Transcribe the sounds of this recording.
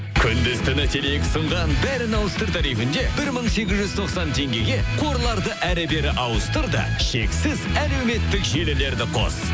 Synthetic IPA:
kʲʰʏnd̪ɪst̪ɪnæt̪ʰeleekʲɪsəɴʁɑnbæɾɪnɑwəst̪əɾt̪ʰɑɾijfɪnd̪e̞bɪɾməɴse̞ɡʲɪzʒʏzt̪ʰo̞qsɑnt̪ʰe̞ŋɡʲe̞ɡʲe̞qʰo̞ɾlˠɑɾd̪əʔæɾɪbe̞ɾɪʔɑwəst̪əɾd̪ə̰ʃe̞ksɪzæle̞wme̞t̪ːɪkʒe̞lɪle̞ɾd̪ɪqʰo̞̰s

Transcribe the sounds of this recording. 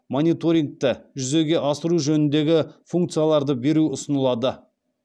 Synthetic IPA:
mo̞nʲit̪o̞ɾʲiŋk̚t̪əʒʏze̞ɡʲe̞ʔɑsəɾuʒɵnɪnd̪e̞ɡʲɪfuŋk̚t̪sɨjalˠɑɾd̪əbe̞ɾuʊsənəlˠɑd̪ə

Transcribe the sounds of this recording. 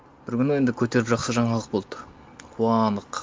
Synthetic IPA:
b̥ɪɾkʲʏnɪe̞nd̪ɪkʲʰɵt̪e̞ɾɪpʒɑqsəʒɑɴɑlˠəq̚bo̞lˠd̪ə | qʰuɑnd̪əq

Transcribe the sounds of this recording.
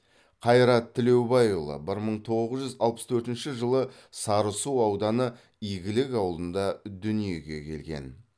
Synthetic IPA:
qʰɑjɾɑt̪ʰːɪle̞wbɑjulˠə̰bɪɾməɴt̪ʰo̞ʁəʁəzʒʏzɑlˠpə̥st̪ʰɵɾt̪ɪnʃɪʒəlˠə | sɑɾəsuɑwd̪ɑnə | ijɡʲɪlɪkɑwlˠd̪ənd̪ɑd̪ʏnije̞ɡʲe̞̰kʲʰe̞̰lɡʲe̞̰n

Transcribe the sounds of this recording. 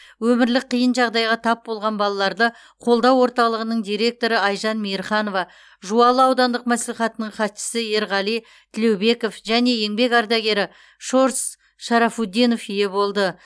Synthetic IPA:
wɵmɪɾlɪk̚qʰːijənʒɑʁd̪ɑjʁɑt̪ʰɑp̚bo̞lˠʁɑnbɑlˠɑlˠɑɾd̪ə | qʰo̞lˠd̪ɑwːo̞ɾt̪ɑlˠəʁənəɴd̪ijɾe̞k̚t̪o̞ɾəɑjʒɑnmijɾχɑno̞vɑ | ʒuɑlˠəɑwd̪ɑnd̪əq̚mæsliχɑt̪ənəɴχɑt̪ʃɪ̥sɪje̞ɾʁɑlˠij | t̪ʰɪle̞wbe̞ko̞fʒæne̞je̞ŋbe̞kɑɾd̪ɑɡʲe̞ɾɪ | ʃo̞ɾs | ʃɑɾɑfud̪ijno̞fije̞bo̞lˠd̪ə

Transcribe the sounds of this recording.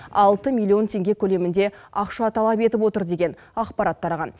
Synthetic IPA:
ɑlˠt̪əmʲilʲːˠijo̞nt̪ʰe̞ŋɡʲe̞kʲʰɵle̞mɪnd̪e̞ɑqʃɑt̪ʰɑlˠɑpe̞t̪ɪpwo̞t̪əɾd̪e̞ɡʲe̞n | ɑqpɑɾɑt̪ːɑɾɑʁɑn

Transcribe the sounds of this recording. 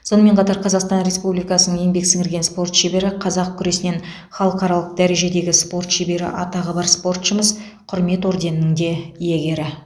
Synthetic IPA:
so̞nəme̞ɴqʰɑt̪ɑɾqʰɑzɑqst̪ɑnɾe̞spublijkɑsənəŋjeŋbe̞ksɪŋɪɾɡʲe̞nspo̞rt̪ʃebe̞ɾɪqʰɑzɑq̚kʲʰʏɾe̞sɪnen | χɑlˠəqɑɾɑlˠəq̚d̪æɾe̞ʒe̞d̪e̞ɡʲɪspo̞rt̪ʃebe̞ɾɪ̰ʔɑt̪ɑʁəbɑɾspo̞rt̪ʃəməz | qʰʊɾme̞t̪wo̞ɾd̪e̞nɪnɪŋd̪e̞jeɡʲe̞ɾɪ

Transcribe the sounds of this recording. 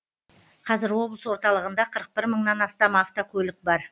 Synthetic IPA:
qʰɑzɪɾwo̞blˠəswo̞ɾt̪ɑlˠəʁənd̪ɑqʰəɾəq̚bɪɾməɴnɑnɑst̪ɑmaft̪okʲʰɵlɪk̚bɑɾ

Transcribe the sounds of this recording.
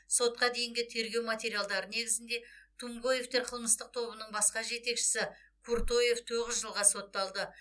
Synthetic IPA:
so̞t̪̚qɑd̪e̞jɪŋɡʲɪt̪ʰe̞ɾɡʲe̞wmat̪ʲe̞ɾijalˠd̪ɑɾəne̞ɡʲɪzɪnd̪e̞t̪ʰumbo̞je̞ft̪e̞ɾqʰəlˠməst̪əq̚t̪ʰo̞bənəɴbɑsqɑʒe̞t̪e̞kʃɪ̥sɪ | kʰuɾt̪o̞je̞ft̪ʰoʁəzʒəlˠʁɑso̞t̪ːɑlˠd̪ə

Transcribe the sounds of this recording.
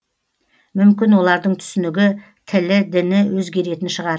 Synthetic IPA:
mʏmkʲɪnwo̞lˠɑɾd̪əɴt̪ʰʏ̥sɪnɪɡʲɪ | t̪ʰɪlɪd̪ɪnɪwɵzɡʲe̞ɾe̞t̪ɪnʃəʁɑɾ

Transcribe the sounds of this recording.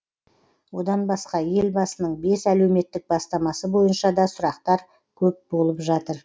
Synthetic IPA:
wo̞d̪ɑnbɑsqɑje̞lbɑsənəɴbe̞sælewme̞t̪ːɪk̚bɑst̪ɑmɑsəbo̞jənʃɑd̪ɑsʊɾɑqt̪ɑɾ | kʲʰɵp̚bo̞lˠəpʒɑt̪əɾ

